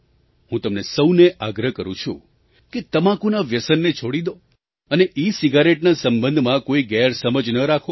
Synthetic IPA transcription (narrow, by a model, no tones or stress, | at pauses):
hũt̪əmnesəwneʔaɡɾəkəɾṵ̃t͡ʃʰṵ̃ | ket̪əmãkũnaʋjəsənːet͡ʃʰoɽid̪o | əneʔisiɡaɾeʈnasəmbənd̪ʱmãkoiɡɛɾsəməd͡ʒnəɾakʰo